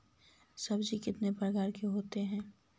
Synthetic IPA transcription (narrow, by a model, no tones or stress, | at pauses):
sɐbd͡ʒikɪt̪nepɾəɡaːɾkeɦoːt̪eɦɛ̃ː